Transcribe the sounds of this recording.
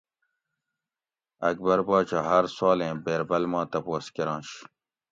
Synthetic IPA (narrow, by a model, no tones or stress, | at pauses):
ɐk̚bɐɾbɑːt͡ɕaːɦɐɾsaːlẽːbeːɾbɐlmɑ̃ːt̪ɐpoːskiɾɑ̃ːɕ